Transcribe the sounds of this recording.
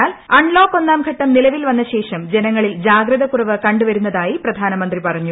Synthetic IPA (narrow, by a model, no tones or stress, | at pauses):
aːlɐɳlo̞ːkːo̞nːaːmɡʱɐʈːɐmnilɐʋilʋɐnːɐɕe̞ːʂɐmd͡ʑenɐŋːɐɭild͡ʑaːɡɾɐðɐkurɐʋɨkɐɳɖuʋɐɾunːɐðaːjiprɐd̪ʱaːnɐmɐnd̪ripɐrɐɲːu